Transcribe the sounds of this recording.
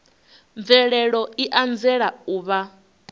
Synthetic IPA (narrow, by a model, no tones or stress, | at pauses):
ɱvɛɺɛɺɔiʔand͡zɛɺauːβa